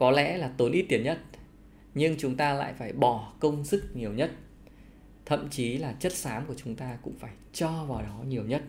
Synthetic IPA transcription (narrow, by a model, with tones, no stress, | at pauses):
kɔ˨˦lɛ̰˧˥laː˨˩t̪o˨˦nʔi˦˥t̚t̪i˨˦ənɲə˦˥t̚ | ɲɨ˧ŋt͡ɕʊ˨˦ŋ͡mt̪aː˧la̰ː˧˨jfaː˧˩jɓɔ˧˩kə˧wŋ͡msɨ˦˥k̚ɲi˨˩əwɲə˦˥t̚ | t̪ʰə̰˧˨mt͡ɕi˨˦laː˨˩t͡ɕə˦˥t̚saː˨˦mku˧˩ət͡ɕʊ˨˦ŋ͡mt̪aː˧kʊ̰˧˥ŋ͡mfaː˧˩jt͡ɕɔ˧vaː˨˩wɗɔ˨˦ɲi˨˩əwɲə˦˥t̚